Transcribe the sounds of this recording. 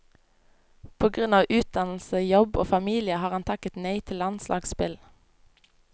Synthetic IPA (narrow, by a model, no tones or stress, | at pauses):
pʰoːɡʁʉnɑːʋʉːt̪̚d̪ɑnl̩səjɔbo̰ːfɑmiːlɪəhɑːʁɑnt̪ʰɑkət̪nœɪt̪ʰɪlɑnslʔɑ̰ːɡspɪl